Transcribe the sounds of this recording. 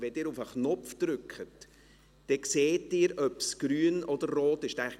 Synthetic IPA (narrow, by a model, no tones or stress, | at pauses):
vɛdɪːɾufəχnɔfd̪̥ɾʏkχət | d̥ɛkseːtdɪːɾœpsɡ̥ɾyːənʔɔd̪əɾːoːtɪʃdæ